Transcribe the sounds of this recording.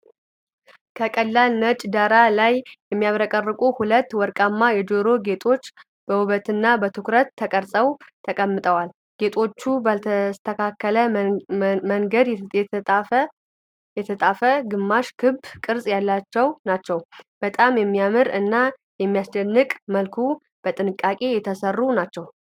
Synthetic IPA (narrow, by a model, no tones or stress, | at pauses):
kʰəkʼəlːalnət͡ʃʼd̪aɾalajjɛmːijaβɾəkʼərːɨkʼuhulət̪ːwɔɾkʼamːajɛd͡ʒoɾo̞ɡe̞t̪ʰʼo̞t͡ʃː | b̥əwɨβət̪ɨnːabət̪ʰɨkɾət̪ʰːəkʼəɾsʼəwt̪ʰəkʼəmːɨt̪ʼəwal | ɡ̥e̞t̪ʼo̞t͡ʃːubaləst̪ʰəkʰakːələ | məŋɡəd̪ɛ | jɛt̪ʰət̪ʼafəɡɨmːaʃkʰɨbkʼɨɾsʼjalːat͡ʃːɛwnat͡ʃːɛwb̥ət̪ʼamjɛmːijamɨɾɨnːa | jɛmːijast͡ʃɛnːɨkʼməlkʰu | b̥ət̪ʼɨnɨkʼːakʼe̞jɛt̪ʰəsərːunat͡ʃːɛw